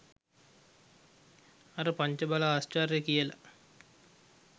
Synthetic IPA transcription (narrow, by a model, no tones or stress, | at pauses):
aɾəpaɲt͡ʃəbalaːsʈarjekijəla̰